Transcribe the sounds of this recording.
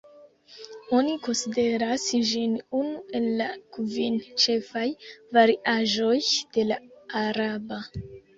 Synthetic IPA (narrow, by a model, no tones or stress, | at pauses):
o̞niko̞nside̞ɾasʒinunue̞lːakvint͡ʃe̞fajvaɾiʔaʒo̞jd̥e̞laːɾaba